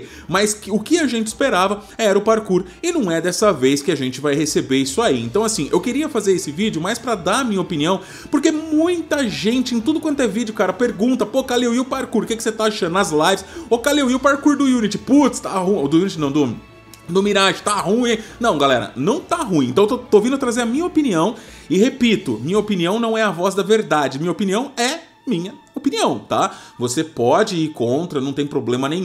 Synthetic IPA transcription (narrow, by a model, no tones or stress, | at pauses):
maskʊkɪaʒẽnt͡ʃɪ̥speɾavɐɛɾɐʊpaɾkuɾ | ɪnɐ̃w̃ɛd̪ɛsɐvejskɪaʒẽnt͡ʃɪvajhesebeɾisʊaiḛ̃nt̪ɐ̃w̃asĩʔewkeɾiɐfazeɾesɪvid͡ʒʊmajspɾɐd̪aɐmĩɲɐopiniɐ̃w̃ | poɾkemũj̃t̪ɐʒẽnt͡ʃɪẽt̪ud̪ʊkwɐ̃t̪ʊɛvid͡ʒjʊkaɾɐpeɾɡũt̪ɐpokalewiʊpaɾkuɾkɛkɪset̪aaʃɐ̃nd̪ʊnɐazlajvɪsokalewiwpaɾkuɾd̪ʊjunit͡ʃɪput̪st̪aɦũd̪ʊjunit͡ʃɪnɐ̃w̃d̪ʊ | d̪ʊminaʒʊ̥t̪aɦũj̃nɐ̃w̃ɡalɛ̰ɾɐ̰nɐ̃w̃t̪aɦũĩẽt̪ɐ̃w̃t̪ot̪ovĩnd̪ʊt̪ɾazeɾɐmĩɲɐopiniɐ̃w̃ | ɪɦepit̪ʊmĩɲɐopiniɐ̃w̃nɐ̃w̃ɛɐvɔzd̪ɐveɾd̪ad͡ʒɪmĩɲɐopiniɐ̃w̃ɛ | mĩɲɐ | opiniɐ̃w̃t̪a̰vosepɔd͡ʒɪiɾkõnt̪ɾɐnɐ̃w̃t̪ẽj̃pɾoblẽmɐnẽj̃